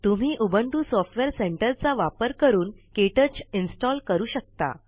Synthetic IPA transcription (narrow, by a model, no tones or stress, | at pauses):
t̪um̤iːʔubʱəɳʈuːsɔfʈʋeɾseɳʈəɾt͡saʋapəɾkəɾuːnkeʈət͡ɕinsʈɔlkəɾuːɕək̚t̪a̰